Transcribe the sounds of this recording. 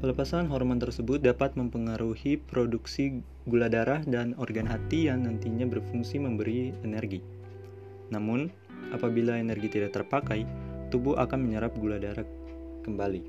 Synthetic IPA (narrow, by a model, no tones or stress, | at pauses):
pələpasanɦɔrmant̪ərsəbʊt̪̚dapat̪̚məmpəŋaɾuhipɾoduksi | ɡuladaɾahdanɔrɡanɦat̪ianːant̪iɲabərfuŋsiməmbəɾiɛnɛrɡi | namʊn | ʔapabilaenɛrɡit̪idak̚t̪ərpakajt̪ubʊɦa̰kanməɲəɾap̚ɡuladaɾah | kəmbali